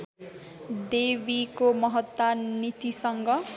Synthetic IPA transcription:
d̪ebikomʌɦʌt̪ːanit̪isʌŋɡʌ

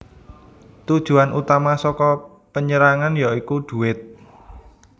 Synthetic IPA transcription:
t̪ud̥ʒ̥ṳanut̪amasɔkɔ | pəɲəɾaŋanjaikuɖ̪̥ṳɪt̪̚

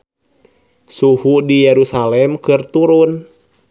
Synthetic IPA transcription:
suhudijɛɾusalɛmkɨrt̪uɾun

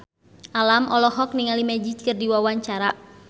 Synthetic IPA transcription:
alamɔlɔɦɔk̚niŋalimɛd͡ʒid͡ʒkərdiwawaɲt͡ʃaɾa

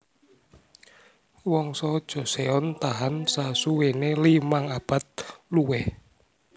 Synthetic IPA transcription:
wɔŋsɔd̥ʒ̥ɔ̤seɔnt̪aɦansasuwenelimaŋab̥a̤t̪̚luwɛh

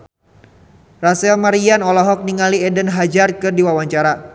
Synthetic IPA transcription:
rasɛlmaɾianɔlɔɦɔk̚niŋaliɛdənɦad͡ʒarkɨrdiwawaɲt͡ʃaɾa

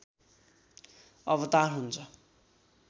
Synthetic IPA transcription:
ʌbʌt̪arɦunt͡sʰʌ

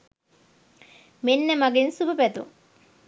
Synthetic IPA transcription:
menːəmaɡensubəpæt̪ṵŋ

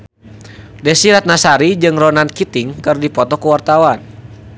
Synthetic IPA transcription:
dɛsiɾat̪̚nasaɾid͡ʒɨŋrɔnankit̪iŋkɨrdipɔt̪ɔkuwart̪awan

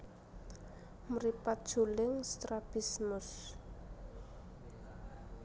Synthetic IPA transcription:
mɾipat̪̚d̥ʒ̥ulɪŋst̪ɾab̥ismʊs

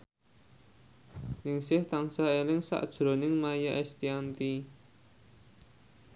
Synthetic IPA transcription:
nɪŋsɪht̪aŋsaelɪŋsa̰ʔd̥ʒ̥ɾo̤nɪŋmajaʔɛst̪iant̪i

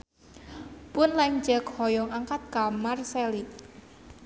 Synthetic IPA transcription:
pʊnlaŋd͡ʒɛkhɔjɔŋaŋkat̪̚kamarsɛli

